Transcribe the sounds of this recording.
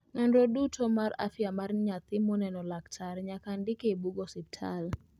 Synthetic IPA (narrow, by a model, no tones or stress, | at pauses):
ŋɛndɾodutʰɔmaɾa̰fjamaɾɲat̪ɪmɔnɛnɔlaktʰaɾɲakandɪkeibuɡɔsip̚tʰal